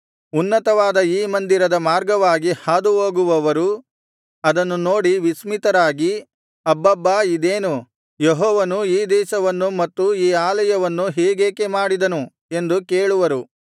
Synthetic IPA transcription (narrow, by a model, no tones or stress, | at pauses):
unːɐt̪ɐʋaːd̪ɐiːmɐnd̪iɾɐd̪ɐmaːɾɡɐʋaːɡihaːd̪uɦoːɡuʋɐʋɐɾu | ɐd̪ɐnːuno̞ːɽiʋismit̪ɐɾaːɡi | ɐbːɐbːaːid̪eːnu | jeɦɔːʋɐnuiːd̪ɛːʃɐʋɐnːumɐt̪ːuiːaːlɐjɐʋɐnːuɦeːɡeːkemaːɽid̪ɐnu | e̞nd̪ukeːɭuʋɐɾu